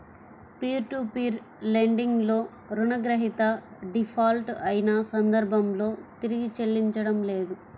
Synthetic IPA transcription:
piːɾʈupiːɾ | leɳɖiŋɡlo̞ː | ɾunɐɡɾɐɦit̪ɐɖipʰaːlʈɐjinɐsɐnd̪ɐɾbʱɐmlo̞ːt̪iɾiɡit͡ʃelːiɲt͡ʃɐɽɐmle̞ːd̪u

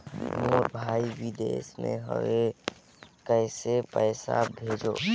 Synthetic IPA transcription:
moːɾbʱaːiʋid̪eːsmḛ̃ɦə̰ʋe | kəɪsepəːsa̰bʱeːd͡ʒoː

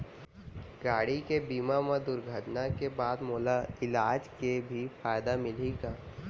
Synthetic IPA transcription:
ɡaːɽikebiːmamɐ̃d̪ʊɾɡʱəʈnakebaːd̪moːlaɪlaːd͡ʒkebʱifaːjd̪amɪleɡaː

